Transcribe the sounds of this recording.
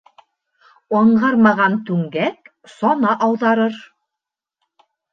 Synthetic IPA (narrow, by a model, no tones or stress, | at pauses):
ɤ̆ɴɢɑɾmɑʁɑnt̪ʉŋɡæk | sɑnɑʔɑwðɑɾɤɾ